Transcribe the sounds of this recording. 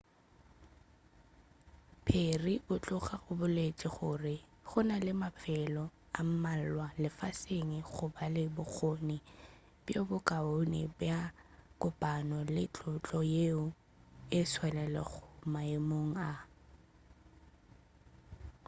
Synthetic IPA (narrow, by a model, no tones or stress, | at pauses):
pʰeribʊt͡ɬʼʊχaɣʊbʊlet͡ʃʼɪχʊrɪ | χʊnalɪmafɛlɔ | am̩mal̩lwalɪfaseŋɪχʊbalɪbʊk͡xʰonɪ | b̥jabʊkʼaonɪ̰bjakʼʊpʼanɔlɪt͡ɬʼʊt͡ɬʼɔjeʊ | ɪsʰwɛlɛlɛ̰ɣʰʊmaɪmoŋ̩a